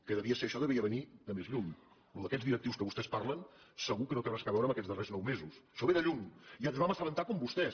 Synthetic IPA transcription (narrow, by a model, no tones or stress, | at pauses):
kəðəβiəseɾəʃɔðəβiəβəniðəmezʎum | luðəkɛd͡zðiɾək̚t̪iwskəβust̪ɛspaɾlənsəɣukənot̪əβaskaβɛwɾəmbəkɛd͡zðəreznɔwmezusʃɔβeðəʎumiazβaməsələnt̪akɔmbust̪ɛs